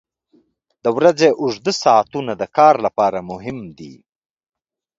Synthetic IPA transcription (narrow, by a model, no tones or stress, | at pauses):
d̪əwɾad͡zeʔʊʐd̪əsɑat̪unad̪əkɑːɾlapɑːɾamʊɦɪmd̪ḭ